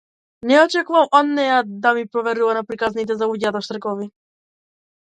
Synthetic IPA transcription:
nɛɔt͡ʃɛkuvamɔnːɛjad̪amipɾɔvɛɾilˠanapɾikaznit̪̬ɛzauɟat̪ɔʃt̪r̩ɡɔvi

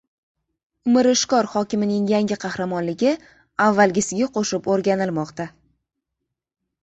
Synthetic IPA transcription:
ʊmɪɾɪʃkɒɾχɒkʲɪmɪnɪŋjaŋɡʲɪqʰɑhɾamɒnlɪɡʲɪ | avːalɡʲɪsɪɡʲaqʰoʃɪpoɾɡʲanɪlmɒqt̪a

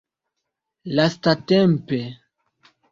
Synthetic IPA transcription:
lastatempe

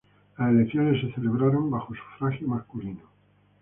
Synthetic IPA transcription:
laselekθjones̬ːeθeleβ̞ɾaɾõmbaxosu̥fɾaxjomaskulino

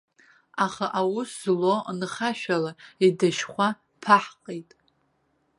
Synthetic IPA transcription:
aχaʔawʊszlonχaʃᶣalaidaʃχʷa | pʰaħqʼejtʼ

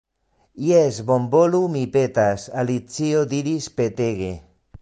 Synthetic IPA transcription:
iezβombolumipet̪asalit͡siod̪iɾispet̪eɣe

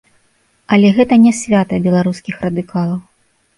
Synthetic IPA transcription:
ɐlʲɛɣɛt̪ɐnʲɛsʲvʲat̪ɐbʲɛlˠaɾuskʲixrɐd̪ɨkalˠɐw

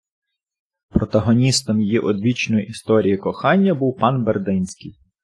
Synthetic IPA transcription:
pɾɔt̪ɐɦɔnʲist̪ɔmjijiʔɔd̪ʋʲit͡ʃnɔjiʔist̪ɔɾʲijikɔxɑnʲːɐbuwpɑnberd̪ɪnʲsʲkɪj

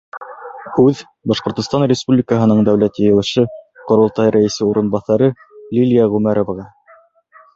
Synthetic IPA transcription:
hʉð | bɑʃqŏɾt̪ŏst̪ɑnrʲɪspublʲikəɦɤ̆nɤɴd̪æwlæt̪jɘ̆jɘ̆wɘ̆ʃɘqŏɾŏlˠt̪ɑjɾæjɘ̆sɘuɾɤ̆nbɑθɑɾɤ | lʲilʲijaʁʉmæɾovʁɑ

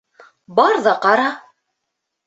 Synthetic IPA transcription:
bɑɾðɑqɑɾɑ

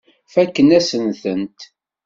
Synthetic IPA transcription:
fækːənæsənθənt̪

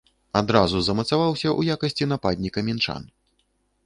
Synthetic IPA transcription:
ad̪ɾazuzɐmɐt̪savawsʲɐʔujakɐsʲt͡sʲinapad̪ʲnʲikɐmʲint͡ʂa̰n

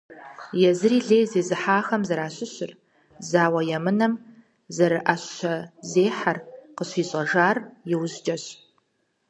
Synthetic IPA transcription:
jɛzɨriːɮeːzeːzɨħaːxɐmzɐɾaːɕɪɕɪr | zaːwɐjɛmɨnɐm | zɐɾɨʔɐɕɐzeːħarqəɕiːɕʼɐʒaːrjɛwzd͡ʒʼɐɕ

